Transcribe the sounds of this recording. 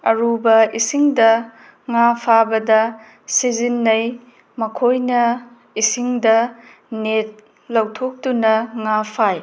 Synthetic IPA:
ɐɾubɐisiŋdɐ | ŋapʰabɐdɐ | sizinːɐj | mɐkʰojnɐ | isiŋdɐ | net̚ | lɐwtʰok̚tunɐŋapʰaj

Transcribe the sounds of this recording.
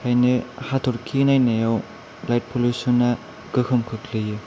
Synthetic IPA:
kʰajnɯhatʰɔɾkʰinajnajaw | lajt̚pʰolusunːa | ɡɯhʰɯmkʰɯkʰlɯjɯ

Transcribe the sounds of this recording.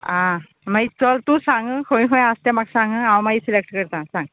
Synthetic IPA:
ã | mait͡sɔlt̪ũsãŋɡəkʰõjĩɦõjast̪ɛ̃maksãŋɡəãwmaisilek̚ʈkəɾt̪ãsãŋɡ

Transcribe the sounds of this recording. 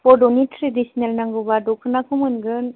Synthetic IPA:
pɔdɔnitʰɾedisnelnaŋɡɯbadɔkʰɯnakʰumɯnɡɯn

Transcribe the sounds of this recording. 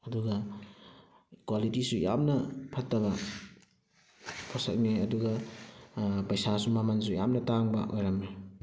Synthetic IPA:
ɐduɡɐ | kwalitisuja̰mnɐpʰɐtːɐβa | pʰɔsɐk̚niɐduɡa | pɐjsasumamans̬uja̰mnɐtaŋbɐ̰ʔojɾamne

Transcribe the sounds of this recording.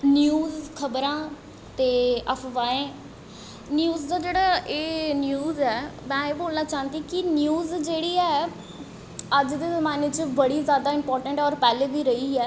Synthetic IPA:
njuːzkʰəbɾãː | t̪eːəpʰʋaːẽː | njuːzd̪aːd͡ʒeːɽaːʔeːnjuːzɛːmɛ̃ːeːboːlnaːt͡ʃaːə̃nd̪iːkɪnjuːzd͡ʒeːɽiːɛː | əd͡ʒd̪eːzəmaːneːt͡ʃəbəɽiːzjaːd̪aːɪmpɔːɾʈəɳʈɔːɾpɛːleːʋiːɾəiːɛː

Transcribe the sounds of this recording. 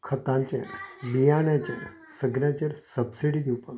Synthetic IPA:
kʰət̪ãɲt͡ɕḛɾbijaɳjat͡ɕeɾ | səɡnjãt͡ɕeɾsəbsiɽid̪iwpəl

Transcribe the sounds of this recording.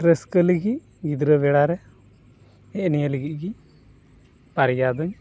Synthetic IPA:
ɾɛskəliɡi | ɡid̪ɾəbɛɽaɾɛ | ɛʔnijaliɡiʔ̚ɡi | paɾjad̪ɔɲ

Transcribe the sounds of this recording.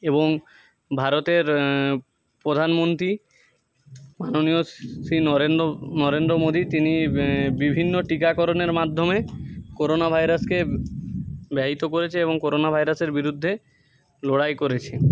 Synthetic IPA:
eboŋ | bʱaɾot̪eɾ | pɾod̪ʱanmont̪ɾi | manoniosinɾeonɔɾend̪ɾomod̪ʱit̪inibibʱinːoʈikakɔɾoneɾmad̪ʱːomekoɾonabʱajɾaske | bɛɦit̪okoɾet͡ɕʰeeβoŋkoɾonabʱajɾaseɾbiɾud̪ʱːe | loɽajkoɾet͡ɕʰe

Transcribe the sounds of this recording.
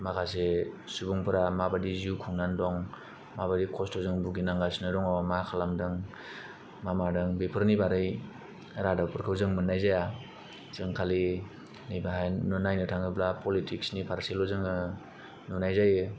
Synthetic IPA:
makʰasesubuŋpʰɯɾamabadizukʰuŋnandɔŋ | mabadikʰɔstʰɔzɯŋbuɡinaŋɡasnɯɾɔŋɔmakʰalamdɯŋ | mamadɯŋbepʰɯɾnibaɾɯj | ɾadapʰɯɾkʰɯwzɯŋmɯnːajzaja | zɯŋkʰali | nɯjbaɦajnɔnajnɯtʰaŋɯblapʰɔlitʰiksnipʰaɾselɔzɯŋɯ | nunajzajɯ

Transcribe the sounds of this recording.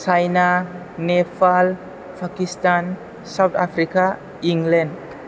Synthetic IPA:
sajna | nepʰal | pʰakistan | sawt̪ʰapʰɾika | iŋlɛnɖ

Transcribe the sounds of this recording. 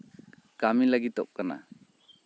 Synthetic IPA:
kamilaɡit̪ɔp̚kana̰

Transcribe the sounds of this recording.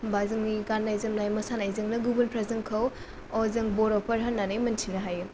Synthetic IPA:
bazɯŋniɡanːajzɐmnajmɐsanajzɯŋnɐɡubunpʰɾazɐŋkʰɐw | ɔzɐŋboɾopʰɐɾɦɐnːanɯjmɐntʰinɐɦaju

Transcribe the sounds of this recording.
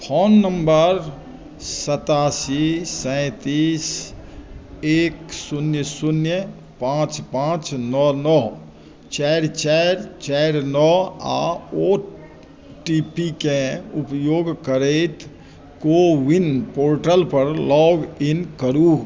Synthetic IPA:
pʰoːnːəmbəɾ | sət̪aːsisə̃ɪt̪is | eːksunjəsunjə | pãːt͡ʃpãt͡ʃnɔnɔɦ | t͡ʃɛɾt͡ʃɛɾt͡ʃɛɾnɔa̰o | ʈipikẽupjoːɡkəɾeɪt̪ | kowinpoːɾʈəlpəɾlɔːɡinkəɾuːɡ

